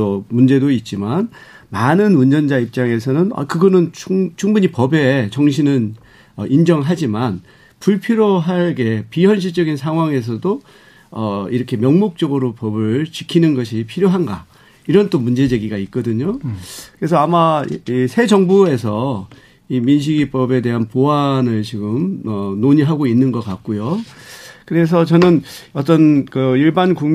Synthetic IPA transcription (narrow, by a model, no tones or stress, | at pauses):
omund͡ʑe̞doit̚t͡ɕ͈iman | manɯnuɲʌnd͡ʑaip̚t͡ɕ͈aŋe̞sʰʌnɯnʌ̰kɯɡʌnɯnt͡ɕʰut͡ɕʰuŋbuɲipʌbe̞t͡ɕʌŋɕ̬ʰinɯn | ʌʔind͡ʑʌŋɭɦad͡ʑiman | puɭpʰiɾjoɦaɭɡe̞piɦwʌnɕ̬ʰit͡ɕʌɡinsʰaŋɦwaŋe̞s̬ʰʌdo | ʌiɾʌkʰe̞mjʌŋmok̚t͡ɕ͈ʌɡɯɾopʌbɯɭt͡ɕi̥kʰinɯnɡʌɕ̬ʰipʰiɾjoɦanɡa̰ | iɾʌnt͈omund͡ʑe̞d͡ʑe̞ɡiɡait̚k͈ʌdɯɲokɯɾe̞sʰʌamaisʰe̞d͡ʑʌŋbue̞s̬ʰʌ | iminɕ̬ʰiɡip͈ʌbe̞de̞ɦanpoanɯɭt͡ɕiɡɯmʌnoɲiɦaɡoinːɯnɡʌk͈ak̚k͈ojo | kɯɾe̞s̬ʰʌt͡ɕʌnɯnʌt̬͈ʌnkɯiɭbanku